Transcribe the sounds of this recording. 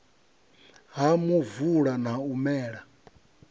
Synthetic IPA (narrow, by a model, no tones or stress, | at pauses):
ɦamuvuɺan̤aumɛːɺa